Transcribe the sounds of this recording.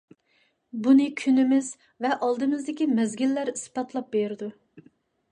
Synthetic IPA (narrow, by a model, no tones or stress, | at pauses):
bunɨkʲʰynɪmɪz | vɛʔɑlˠd̪ɨmɨzd̪ɪkʲimɛzɡʲilːæɾisbɑt̪ʰlˠɑp̚beɾɪd̪u